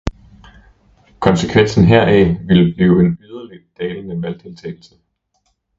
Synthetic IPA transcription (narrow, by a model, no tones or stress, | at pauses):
kʰɒ̽nsəkʰʋen̰sn̩ɦeɐ̰ɛʋiləb̥liːʊe̝nyð̞ˠɐli̥d̥ɛːlənəʋælt͡sʰe̝lt͡sʰeːɪ̥l̩sə